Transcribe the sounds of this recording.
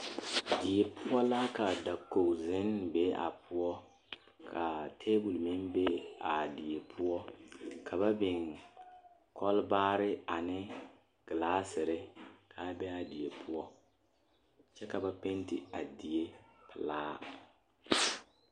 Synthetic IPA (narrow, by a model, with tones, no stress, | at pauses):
di˨e˨pʰʊ˦ɔ˦la˦ka˨da˨kːo˨zɪ˦nbɛ˦a̰˨pʰʊ˦ɔ˦ | kʰa˨tʰeː˦ɡu˨lmɪ˦nbe˦a˨di˨je˨pʰu˦ɔ˦kʰa˨ba˦bɪ˨ŋ | kʰɔ˦lbaː˦ɾɪ˦a˨nɪ˦ | ɡ̥ɨ˨laː˦sɪ˨ɾɪ˦kʰa˨˦bɛ˦a˨di˨je˨pʰu˦ɔ˦ | t͡ʃɛ˦ka˨ba˦pe˦ntɪ˨a˨di˨je˦pɪ˨laː˦